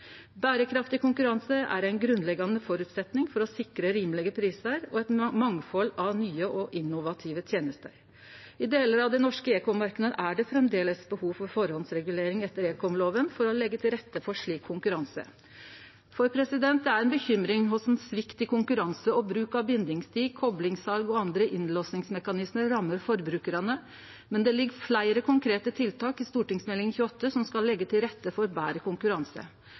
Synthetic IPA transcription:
bæːɾəkʰɾɑft̪ɪkʊŋkʉɾɑnsəæ̰ɾæɪnɡɾʉnlɛɡːɑnəfɔɾʉt̪sɛt̪nɪŋfɔɾɔsɪkɾəɾiːmlɪɡəpʰɾiːsəɾɔɛt̪mɑŋfɔlɑʋnyːəʔɔʔɪnʊʋɑt̪ʰɪʋət̪ʰjeːnəst̪ə̰ɾ | ɪd̪eːləɾɑʋd̪ɛnɔʂkəeːkɔmɑɾkənəəd̪əʔæɖɛfɾɛmd̪eːləsbəhuːʋfɔɾfɔɾhɔnsɾɛɡʉleːɾɪŋɛt̪ːəɾeːkɔɔmloːʋənfɔɾɔlɛɡːət̪ʰɪlɾɛt̪ːəfɔʂɭiːkʰːʊŋkʉɾɑnsə̰ | fɔɾpʰɾɛsɪd̪ɛnt̪̚d̪ɛæɾɛnbəçʏmɾɪŋɦʊsɛnsʋɪkt̪ɪkʰʊŋkʉɾɑnsəɔbɾʉːkɑbɪnd̪ɪŋst̪ʰiːɡ̚kʰɔblɪŋsɑlɡɔɑnd̪ɾəʔɪnloːsnɪŋsmɛkɑnɪsməɾːɑmːəɾfɔɾbɾʉːkəɾɑnə | mɛnd̪ɛlɪɡɾflæɪɾəkʰʊŋkʰɾeːt̪ət̪ʰɪlt̪ɑːkɪst̪uːʈɪŋsmɛlɪŋnçʉːɔt̪ːəsɔmskɑlːɛɡːət̪ʰɪlɾɛt̪ːəfɔɾbæːɾəkʊŋkʉɾɑnsə̰

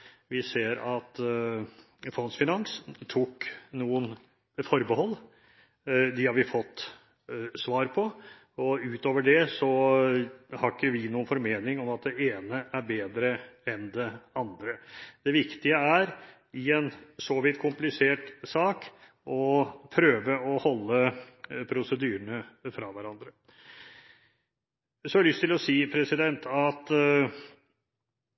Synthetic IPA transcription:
ʋɪseːɾɑt̪ | fɔnsfɪnɑŋst̪ʰuknuːən | fɔɾbəhɔlː | d̪ɪhɑɾʋɪfɔt̪ː | sʋɑːɾpʰɔ | ɔʉːt̪oːʋəɖɛsɔ | hɑɾɪkːəʋɪnuːənfɔɾmeːnɪŋɔmɑt̪̚d̪ɛeːnəʔæɾbeːd̪ɾəɛnd̪ɛɑnd̪ɾəd̪̥ɛʋɪkt̪ɪəæɾ | ɪɛnsɔʋɪt̪ːkʰʊmplɪseːʈsɑːk | ʔɔpʰɾøːʋəɔhɔlːəpʰɾʊsəd̪yːɾəɳəfɾɑʋæɾɑnd̪ɾə | sɔhɑɭʏst̪ɪlɔsiːpʰɾɛsɪd̪ɛnt̪ʰɑt̪

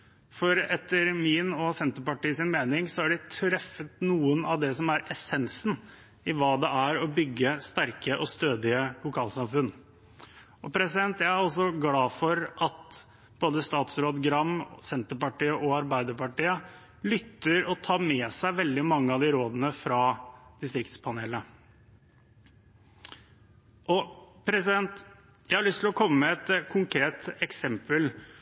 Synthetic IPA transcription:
fɔɾɛt̪ːəɾmɪnɔsɛnt̪əpɑʈiːsɪnmeːnɪŋsɔæɖɪt̪ʰɾɛfːət̪nuːənɑʋd̪ɛsɔmæɾɛsɛnsn | ɪʋɑːd̪ɛʔæɾɔbʏɡːəst̪æɾkəʔɔst̪øːd̪ɪəlʊkʰɑːlsɑmfʉn | ʔɔpʰɾɛsɪd̪ɛnt̪jæɪæɾɔls̬ɔɡlɑːfɔɾʔɑt̪ | b̥oːd̪əst̪ɑːt̪sɾoːd̪ɡɾɑmsɛnt̪əpɑʈiːəʔɔɑɾbæɪd̪əpɑʈiːə | lʏt̪ːəɾɔt̪ʰɑːmɛːsæɪʋɛld̪ɪmɑŋːəɑd̪ɪɾoːd̪ənəfɾɑːd̪̥ɪst̪ɾɪkt̪spʰɑneːlə | ʔɔpʰɾɛsɪd̪ɛnt̪ | jæɪhɑɭʏst̪ʰlɔkʰɔmːəmɛɛt̪kʰʊŋkʰɾeːt̪ɛksɛmpəl

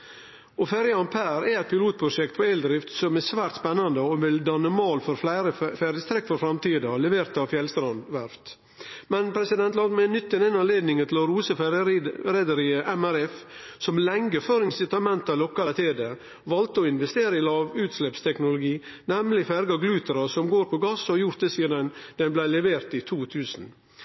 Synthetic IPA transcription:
ʔɔfæɾjəɑnpʰæːɾɛɛɪt̪pɪluːt̪̚pʰɾʊʂɛk̚t̪̚pʰɔɛld̪ɾɪft̪sɔmæsʋæːɾt̪spɛnːɑnd̪əɔʋɪld̪ɑnːəmoːlfɔɾflæɪɾəfæɾjəst̪ʰɾɛkːfɔɾfɾɑmt̪iːd̪ɑlɛʋeːɾt̪ɑʋfjɛlst̪ɾɑnd̪ʋæɾft̪ | mɛnpʰɾɛsɪd̪ɛnt̪lɑːd̪mɛnʏt̪ːɛnɛnɑnleːd̪nɪŋənt̪ʰɪlɔɾuːsəfɾɛd̪əɾiːəʔɛmæɾɛfsɔmlɛŋɡəføːɾɪsɪt̪ɑmɛnt̪ɑlɔkːɑt̪ʰeːd̪ə | ʋɑlt̪əɔɪnʋɛst̪eːɾəɪlɑːʋʉːt̪slɛpst̪ʰɛknʊlʊɡiː | nɛmlɪfæɾɡɑɡlʉːt̪əɾɑsɔmɡoːɾpʰɔɡɑsɔjʊɾt̪̚d̪ɛsiːəd̪ɛnd̪̥ɛnblæɪlɛʋeːɾt̪it̪ʰuːt̪ʰʉːsn̩

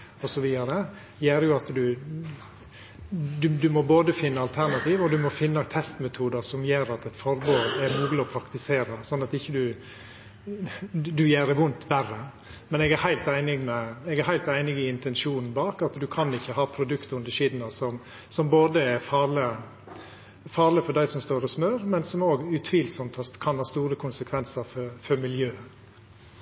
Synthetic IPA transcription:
ɔsɔʋiːd̪ɑɾə | jeːɾəjʊɑt̪d̪ʉ | d̪ʉd̪ʉmɔboːd̪əfɪnːəɑlt̪ʰæɾnɑt̪ʰiːʋɔd̪ʉmɔfɪnːət̪ʰɛst̪mɛt̪ʰuːd̪əsɔmjeːɾɑt̪ɛt̪fɔɾboːɾɛɾmuːɡlɪɔpʰɾɑkt̪ɪseːɾəsɔnːɑt̪ɪçːəd̪ʉ | d̪ʉjeːɾɛʋʊnt̪ʰʋærːə | mɛnɛːɡæhæɪlt̪æɪnɪɡmɛɛːɡæɾɦæɪlt̪æɪnɪɡɪɪnt̪ʰɛnʃuːnn̩bɑːkɑt̪d̪ʉkʰɑnɪçːəhɑːpʰɾʊd̪ʉkt̪ʉnd̪əʂiːd̪nɑsɔm | sɔmboːd̪əɛɾfɑːlɪ | fɑːɾlɪfɔɖ̪æɪsɔmst̪oːɾɔsmøːɾmɛnsɔmoːɡʉt̪ʰʋiːlsɔmt̪hɑkʰɑnhɑːst̪uːɾəkʰʊnsəkʰʋɛnsəɾfɔfœɾmɪljøː

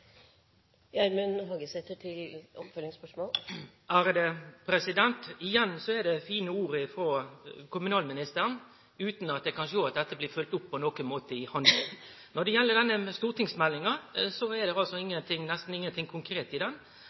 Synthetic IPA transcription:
jæɾmənhɑːɡəsɛt̪ːəʈʰɪlɔpfœlɪŋspœʂmoːl | ʔæɾd̪ɛpʰɾɛsɪd̪ɛnt̪ɪjɛnːsɔɛd̪ɛfiːnəuːɾəɪfɾoːkʰʊmʉnɑːlmɪnɪst̪əɾən | ʉːt̪nɑt̪̚d̪ɛkʰɑnʂoːɑt̪̚d̪ɛt̪ːəblɪːfʉlt̪ʊpːʰɔnɔkənmoːt̪əɪhɑnd̪ə̰ | nɔd̪ɛjɛlːəɖ̪ɛnːəst̪uːʁt̪ɪŋsmɛlːɪŋɑsɔɛd̪ɛɑlsɔɪŋːənt̪ʰɪŋːnɛst̪n̩ɪŋːənt̪ʰɪŋkʰʊŋkʰɾeːt̪ɪd̪ɛn

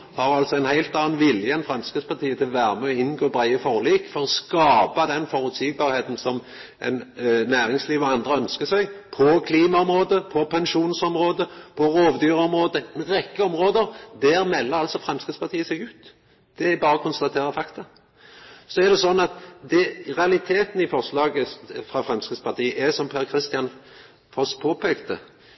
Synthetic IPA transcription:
hɑɾɑlt̪sɔɛnhæɪlt̪ɑːnʋɪljəɛnfʁɑmskəd̪spɑʁt̪ʰiːət̪ʰɪlʋæːɾəmɛɔɪnɡoːbɾæɪəfɔʁliːkfɔɾɔskɑːpɑd̪ɛnfɔɾʉt̪siɡ̚bɑːɾheːt̪n̩sɔm | ɛ̰nnæːɾɪŋsliːʋɔɑnd̪ɾəœnskəsæɪɡpʰɔkʰliːmɑɔmɾoːd̪əpʰɔpʰɛnʃuːnsɔmʁoːd̪əpʰɔɾoːʋd̪yːɾəɔmɾoːd̪əɛnɾɛkːəɔmɾoːd̪əɾd̪æɾmɛlːəɾɑlsɔfɾɛmskʁɪspɑʁt̪ʰiːəsɛɡʉːt̪ | d̪̥ɛæbɑːɾəkʰʊnst̪ɑt̪ʰeːɾəfɑkt̪ɑ | sɔæʁd̪ɛsɔnːɑt̪d̪ɛʁɛɑlɪt̪ʰeːt̪n̩ɪfɔʁslɑːɡəfʁɑfɾɛmskɪd̪spɑʁt̪ʰiːəʔæsɔmpʰæɾkʰɾɪst̪ɪjɑn | fɔspʰoːpʰɛːkt̪ə̰

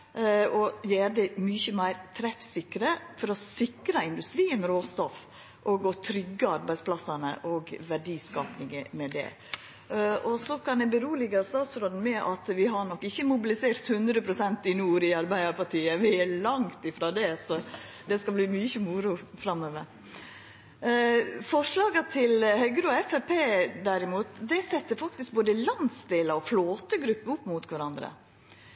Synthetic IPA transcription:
ɔjeːɾd̪ɛmyːçəmæɪɾt̪ʰɾɛfsɪkːɾəfɔɾɔsɪkɾɑɪnd̪ʉst̪ɾiːənɾoːst̪ɔf | ʔɔɡɔt̪ʰɾʏɡːəɑɾbæɪsplɑsɑnə̰ʔɔɡʋæɖiːskɑːpnɪŋəmɛd̪ɛ̰ | ɔsɔkʰɑnjæbəɾuːlɪɡəst̪ɑːt̪sfɾɔd̪n̩mɛʔɑt̪ʋɪɦɑɳɔkːɪçːəmʊbɪlɪseːɾt̪hʉnd̪ɾəpʰɾʊsɛnt̪ɪnuːɾɪɑɾbæɪd̪əɾpɑʈiːəʋɪælɑŋt̪ɪfɾoːd̪ɛsɔ | d̪ɛskɑbliːmyːçəmuɾʊfɾɑmːøːʋəɾ | fɔʂlɑːɡət̪ʰɪlhœʏɡɾəɔɛfæpʰeːd̪æɾɪmuːt̪d̪ɛsɛt̪ːəɾfɑk̚t̪ɪsk̚boːd̪əlɑnsd̪eːləɔfloːt̪əɡɾʉpːəʊpːmʊt̪kʰʋæɾɑnd̪ɾə̰

